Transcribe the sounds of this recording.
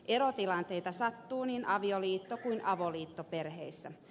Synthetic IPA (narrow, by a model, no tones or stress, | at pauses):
ʔeɾot̪ilɑnt̪e̞it̪ɑsɑt̪ːuːniːnʔɑʋioliːt̪ːokuinʔɑʋoliːt̪ːoperheisːæ